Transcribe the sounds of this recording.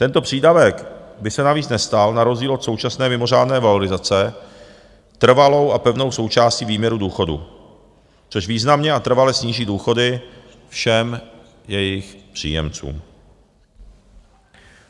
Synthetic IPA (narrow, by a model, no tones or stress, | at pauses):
t̪ɛnt̪o̞pr̥iːdavɛkbɪsɛnaviːt͡snɛst̪alnaɾo̞zɟiːlo̞t̪so̞wt͡ʃasnɛːmɪmo̞r̝aːdnɛːvalo̞ɾɪzat͡sɛ | t̪r̩valo̞wʔapɛvno̞wso̞wt͡ʃaːsciːviːmɲɛɾuduːxo̞dṵ | t͡soʃviːznamɲɛʔat̪r̩valɛsɲiːʒiːduːxo̞dɪ | fʃɛm | jɛjɪxpr̝̥ḭːjɛ̰mt͡sṵːm